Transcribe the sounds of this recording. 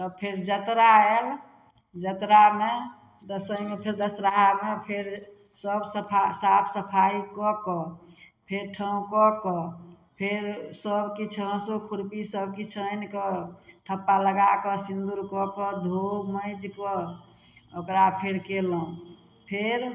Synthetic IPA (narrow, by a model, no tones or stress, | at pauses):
t̪ɔpʰeɾd͡ʒət̪ɾael | d͡ʒət̪ɾame | d̪əsəjmepʰeɾd̪əsɾaɦamepʰeɾ | səbspʰasapʰsəpʰaikɔkɔ | pʰeɾʈʰəũkɔkɔ | pʰeɾsəbkit͡ʃʰə̃sokʰuɾpisəbkit͡ʃʰənkɔt̪ʰəpːaləɡakəsind̪uɾkɔkɔd̪ʱoməɪd͡ʒkɔ | okɾapʰeɽkeləũ | pʰeɾ